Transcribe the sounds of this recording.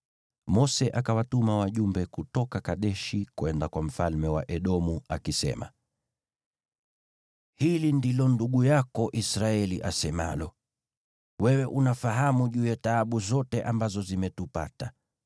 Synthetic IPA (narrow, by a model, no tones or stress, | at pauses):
mɔsɛʔakawatumawaʄumbɛkutɔkakaɗɛʃikwɛndakwam̩falmɛwa̰ʔɛɗɔmuakisɛ̰ma̰ | hilindilɔnduɠujakɔʔisɾaɛliʔa̰sɛma̰lɔ | wɛwɛʔunafaɦamuʄuːjataːɓuzɔtɛʔambazɔzimɛtupa̰ta